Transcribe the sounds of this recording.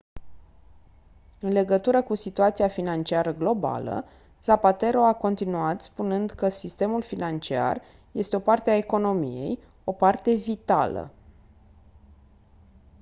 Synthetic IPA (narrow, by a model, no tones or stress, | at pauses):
ɨnle̞ɡət̪uɾəkusit̪uat̪sijafinant͡ʃiaɾəɡlo̞ba̰lə̰ | z̥apat̪e̞ɾo̞ako̞nt̪inuat̪spunɨnd̪kəsist̪e̞mulfinant͡ʃia̰r | je̞st̪eo̞part̪eaeko̞no̞mije̞̰j | o̞part̪e̞vit̪a̰lə̰